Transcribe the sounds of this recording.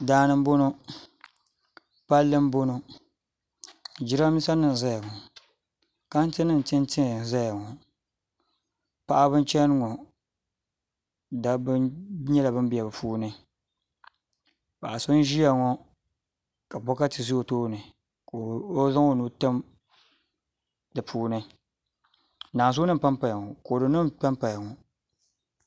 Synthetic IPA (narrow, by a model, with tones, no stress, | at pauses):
daː˦nɨ˦m̩˦bo˦no˦ | pa˦lːɨ˦m̩˦bo˦no˦ | d͡ʒi˦ɾa˦mi˦sa˦nɨ˨n˨za˦ja˨ŋɔ˨ | ka˦n˦tɨ˦nɨ˦n˨tɨ˦n˦tɪ˦ŋ˨za˦ja˨ŋɔ˨ | pa˦ʔa˦bɨ˦n˦t͡ʃɛ˦n˦ŋɔ˨ | da˦bɨ˦ɲɛ˦la˨bɨ˦m˦bi˨ja˨bɨ˨fuː˦nɨ˦ | pa˨ʔa˨so˦n˦ʒi˦ja˨ŋɔ˦ | ka˨bɔ˦ka˦tɨ˨zu˦o˨toː˦˨nɨ˨ | ko˨o˦za˦ŋo˦nu˦tɨ˦m | dɨ˨pʰuː˦nɨ˦ | naː˨zuː˦nɨ˦m˨pa˦mpa˨ja˨ŋɔ˨ko˨dɨ˨nɨ˦mpa˦mpa˨ja˨ŋɔ˨